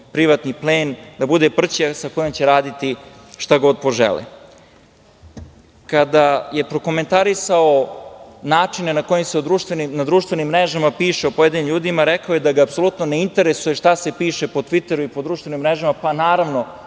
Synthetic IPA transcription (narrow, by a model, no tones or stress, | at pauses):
pɾiʋat̪nipleːnd̪abud̪e̞pr̩t͡ɕasako̞jomt͡ɕe̞ɾaːd̪it̪i | ʃt̪aɡo̞d̪̚po̞ʒḛlḛ | kad̪aje̞pɾo̞ko̞me̞nt̪aɾisaonaːt͡ʂine̞nakojemse̞od̪ɾuːʃt̪ʋenimnad̪ɾuːʃt̪ʋenimːɾeʒamapiːʃeopojed̪inimʎuːd̪imaɾekaojed̪aɡaːpso̞lˠut̪no̞neint̪eɾe̞sujeʃt̪ase̞piːʃe̞po̞t̪ʋit̪e̞ɾuipo̞d̪ɾuːʃt̪ve̞nimːɾeʒamapanaːɾaʋno̞